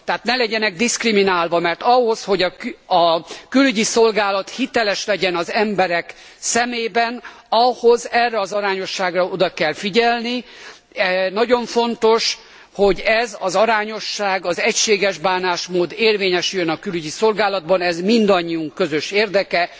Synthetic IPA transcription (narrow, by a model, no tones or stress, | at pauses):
t̪ɛaːt̪nɛlɛɟɛnɛɡ̚d̪iskriminaːlvɒmɛrt̪ɒɦo̞sho̞ɟɒɒkylyɟiso̞lɡaːlɒt̪hit̪ɛlɛʃlɛɟɛnɒzɛmbɛɾɛk | sɛmeːbɛn | ɒhozɛrːɛɒzɒɾaːɲo̞ʃːaːɡrɒo̞d̪ɒkɛlfiɟɛlni | ɛnɒɟo̞ɱfo̞nt̪o̞ʃ | ho̞ɟɛzɒzɒɾaːɲo̞ʃːaːɡɒzɛcʃeːɡɛʒbaːnaːʃmoːd̪eːrveːɲɛʃyjønɒkylyɟiso̞lɡaːlɒd̪̚bɒnɛzmind̪ɒɲːiuŋkkø̞zøʃeːrd̪ɛkɛ